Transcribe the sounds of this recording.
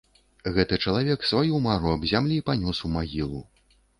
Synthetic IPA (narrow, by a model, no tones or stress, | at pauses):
ɣɛt̪ɨt͡ʂɐlˠavʲɛksvajumaɾuɐbzʲamlʲipanʲɔsumaɣʲilˠu